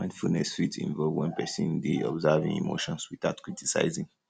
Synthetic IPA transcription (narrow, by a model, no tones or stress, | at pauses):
ãɪ̃ndfulnɛsfitḭ̃nvɔlvwɛ̃npɛsĩndeɔ̰bzavĩŋḭmoʃɔ̃nswiθaʊtkɹitisa̰ɪzĩŋ